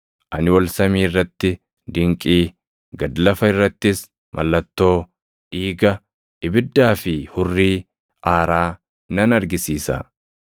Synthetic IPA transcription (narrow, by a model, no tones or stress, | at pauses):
ʔɐnɪwɐlsɐmiːɪrːɐt̪ːɪ | d̪ɪŋkʼiː | ɡɐd̪lɐfɐɪrːɐt̪ːɪs | mʔɐ̰lːɐt̪ːo̞ː | ʔiːɡɐ | ʔɪbɪd̪ːaːfɪhʊrːiː | ʔaːɾaː | nɐnɐɾɡɪsiːsɐ̰